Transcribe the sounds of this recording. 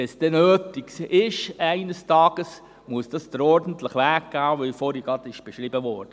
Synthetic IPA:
ɛsd̥ɛnøːtɪksɪʃæɪnəstɑːɡ̥əs | muəsd̥ɑsd̥̪əɾɔɾdən̩tləχʋæːk̚ɡ̥aːʋœfɔːɾiɡɑd̪ɪʃb̥ɛʃɾibəʋɔɾd̥ə

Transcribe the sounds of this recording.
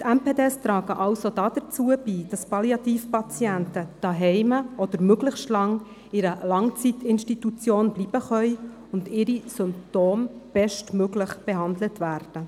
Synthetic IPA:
tɛmpeːdɛstɾɑːɡəʔɑwsodɑd̥̪ət͡suəb̥iːd̥ɑspɑljɑt̪iːfpɑt͡sjæntəd̥ɑɦɛɪməʔɔd̥̪əɾmøɡləχʃtlɑŋ | ɪɾəlɑŋt͡sitɪnʃtitut͡sjoːnbliːb̥əχœʏ | ʊndɪɾisʏmp̚toːmb̥ɛʃtmøɡləχb̥ɛɦɑndlətvæːɾd̥ə

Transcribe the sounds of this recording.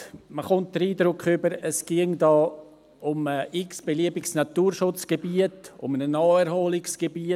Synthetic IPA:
məχʊnt̚d̥əɾiːdɾʊkχʏbəɾəsɡ̥iŋdɑː | ʊməʔɪksb̥eliəbɪksnɑtuːɾʃʊt͡sɡ̥ebiətʊ̰mənənɔːɛɾhoːlɪksɡ̥ebi

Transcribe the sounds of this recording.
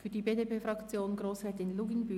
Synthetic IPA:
fyːɐdibeːdepeːfʁɑkt͡sjoːnɡʁoːsʁ̥ɛɐtɪnluɡinby

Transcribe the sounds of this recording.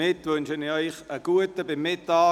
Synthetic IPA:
ɪtʋʏnʃənɪœʏχəɡ̥uətəbɪmːɪtːɑː

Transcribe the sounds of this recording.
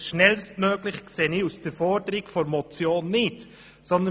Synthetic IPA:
ʃnɛlstmøːɡ̥lɪχkseːnɪusd̥əɾfɔɾdəɾɪɡfɔɾmɔt͡sjoːnːɪt | sɔnd̪ə

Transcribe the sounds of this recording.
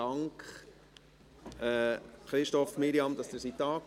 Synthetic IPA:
ɑŋkχ | ɛːχɾɪʃtɔfmiɾiɑmd̪ɑsd̥̪əɾsit̪ɑːk

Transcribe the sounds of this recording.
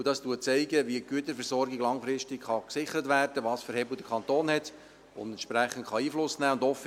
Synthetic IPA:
d̥ɑstuət͡sɛɪɡəʋiəɡ̥yətəɾfɛɾsɔɾɡɪɡlɑŋfɾɪʃtɪkχɑksɪχəɾətvæːrdəʋɑːsfəɾhɛbl̩d̥əkʰɑntoːnhɛt | ʊ̰ndɛnʃpɾæχən̩tχɑiːflʊsnæːʊndɔf

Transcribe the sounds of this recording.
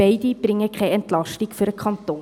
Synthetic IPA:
ɛɪdibrɪŋəkʰɛɪɛntlɑʃtɪŋfyəɾəkʰɑnton

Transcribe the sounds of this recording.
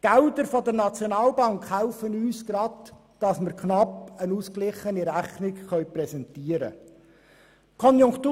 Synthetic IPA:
ɡ̥æʊdəɾfodəɾnɑt͡sjonɑːlbɑŋkhæʊfənyːsɡ̥ɾɑd | d̥ɑsmɪɾkʰnɑpənuːsklɪχəniɾæχnɪkχœʏprɛsɛntiəɾə̰ | kʰɔnjʊŋktuː

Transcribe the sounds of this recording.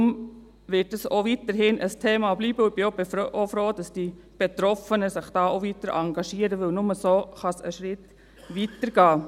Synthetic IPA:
ʊm | ʋɪtdəsoʋitəɾhɪnʔəstʰeːmɑbliːbəʊb̥iob̥ɪfʔofɾoːd̥ɑsd̥i | b̥et̪ɾɔfənəsɪχd̥ɑːoʋitəɾʔɑŋɡɑʃiːəɾəʋɪlnʊməsoːχɑsə̰ʃɾɪt | ʋitəɾɡ̥ɑː

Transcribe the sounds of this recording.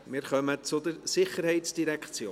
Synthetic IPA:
mɪɾχœmət͡sʊd̪əɾsɪχəɾhɛɪtsd̥iɾɛkχt͡sjoː

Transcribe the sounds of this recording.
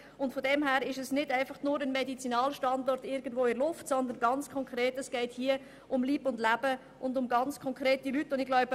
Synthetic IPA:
ʊntfodɛmɦɛːɾɪʃɛsnɪdaɪfɑχnʊːɾənmɛdit͡sinɑːlʃtɑndɔrtɪɾɡən̩dvoːɪlʊftsɔnd̪ənɡɑnt͡skʰɔŋkʁeːtɛsɡ̥ɛɪthiːə | ʊmliːbʊndlæb̥ə | ʔʊndʊmɡɑnt͡skʰɔŋkʁeːtilytːʊndɪɡ̥laʊbə

